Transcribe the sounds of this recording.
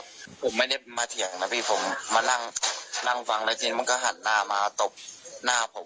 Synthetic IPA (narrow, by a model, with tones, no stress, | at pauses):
pʰo˨˩˦mːa˥˩jda˥˩maː˧t̪ʰi˨˩˦əŋna˧˦˥pʰiː˧˥˩pʰo˩˦mːaː˧na˥˩ŋna˥˩ŋfa˧ŋlɛ˦˥t̪i˧i˦˥ma˧nkɔ˥˩ɦa˨˩˦nːaː˥˩maː˧˦t̪o˨˩p̚naː˥˩pʰo˨˩˦m